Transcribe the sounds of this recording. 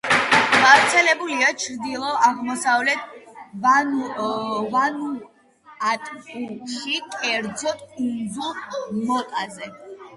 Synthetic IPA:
ɡavɾt̪sʰɛlɛbuliat͡ʃʰɾd̪ilˠɔʔaʁmɔsavlɛt̪ʰ | vanu | at̪ʼkʼuɾʃikʼɛɾd̪zɔt̪ʰund̪zulˠmɔt̪ʼazɛ

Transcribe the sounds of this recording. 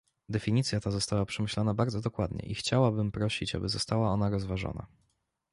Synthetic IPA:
d̪ɛfʲiɲit̪sʲjat̪azɔst̪awapʂɛmɘɕlɔnabaɾd̪zɔd̪ɔkwad̪ɲɛ̰ʔixt͡ɕawabɘmpɾɔɕit͡ɕa̰bɘzɔst̪awaɔnaɾɔzvaʐɔ̰na̰

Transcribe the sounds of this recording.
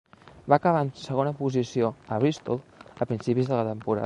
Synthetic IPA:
baːkəβaənsəɣ̞onəpuzisioəβɾist̪olˠəpɾinsipizðələt̪əmpuɾa̰

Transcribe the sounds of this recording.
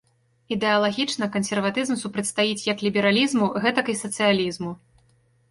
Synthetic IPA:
id̪ɛɐlˠaɣʲit͡ʂnɐkɐnsʲɛrvat̪ɨzmsupɾɐt͡sʲst̪ajit͡sʲjɐklʲibʲɛɾalʲizmuɣɛt̪ɐkisɐt̪sɨjalʲizmu

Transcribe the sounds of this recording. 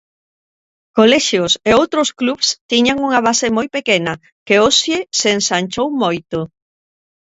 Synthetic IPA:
kolɛʃjʊseowt̪ɾoskluβst̪iɲaŋuŋaβ̞asɪmojpekenɐ | keosjeseːnsanʲt͡ʃowmojt̪ʊ

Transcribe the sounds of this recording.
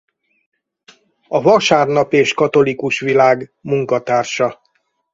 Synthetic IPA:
ɒvɒʃaːrnɒpeːʃkɒt̪o̞likuʃʋilaːɡmuŋkɒt̪aːrʃɒ

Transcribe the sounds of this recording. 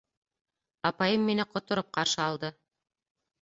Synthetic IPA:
ɑpɑjɤmːinɘqŏt̪ŏɾop̚qɑɾʃɤɑlˠd̪ɤ

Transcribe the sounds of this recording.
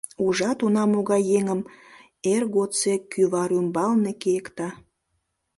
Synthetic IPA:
uʒɑt̪unɑmoɣɑjːeŋəm | erɣot̪t͡sekyβɑɾymbɑlnekejəkt̪ɑ

